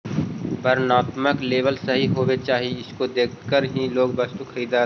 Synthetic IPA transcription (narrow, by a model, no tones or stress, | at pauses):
pɐɾnaːt̪məkleːbəlsɐɦiɦoːwet͡ʃaːɦiɪskod̪eːkʰkəɾɦĩloːɡbɐst̪ukʰəɾiːd̪a